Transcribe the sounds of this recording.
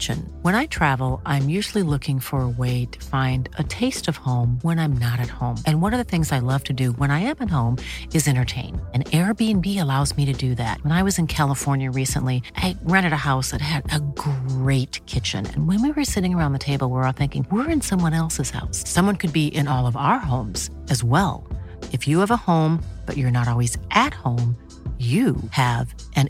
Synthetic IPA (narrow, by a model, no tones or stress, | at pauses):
t͡ʃɨ̰̃nwə̃ɾ̃aɪtʰɹ̥ævl̩ˠʔãɪ̃mjʉʒl̩ˠilʊkɪ̃ŋfə˞əweɪɾɨ̥fãɪ̃ndɨtʰeɪstʌv̥hõʊ̃mwə̃ñãɪ̃mnəɾɨt̚hõʊ̃mʔɨ̃nwʌɾə˞ðɨθɪ̃ŋzaɪlʌv̥tʰɨdɨwə̃ɾ̃aɪɨ̃mɨt̚hõʊ̃mɨzɛ̃ɾ̃ə˞tʰẽɪ̃nɨ̃nɛɹbiɨ̃nbiɨlaʊzmiɾɨdɨðæ̰t̚wə̃ñaɪwʌzɨ̃nkʰælˠəfɔɹnjɨɹisə̰̃nʔliʔaɪɹæ̃ɾ̃ɨɾɨhaʊsðɨt̚ɦɨɾɨɡɹeɪt̚kʰɪt͡ʃɨ̰̃nɨ̰̃nwɨ̃nwiwə˞sɪɾɪ̃ŋə˞ãʊ̃nðtʰeɪbl̩ˠwə˞ɔlˠθɪ̃ŋkɪ̃ŋwɪɹɨ̃nsʌ̃mwʌ̃ɾ̃ɛlˠsɨz̥ha̰ʊsːʌ̃mwʌ̃nkʰɨd̚biʔɪ̃nɔlˠʌvaʊə˞ɦõʊ̃mz̥ | ɨzwɛ̰lˠɨfjɨːvəhõʊ̃mb̥ʌ̰t͡ʃə˞nəɾɔlˠwizʔɨt̚hõʊ̃m | jɨɨv | ʔɨ̃n